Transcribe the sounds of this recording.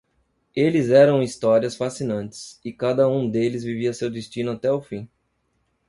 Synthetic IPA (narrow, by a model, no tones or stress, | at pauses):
elɪzɛɾɐ̃w̃ist̪ɔɾiɐsfasinɐ̃nt͡ʃɪ̥sɪkad̪ɐũd̪elɪzviviɐsewd̪ɪst͡ʃĩnʊat̪ɛʊfĩ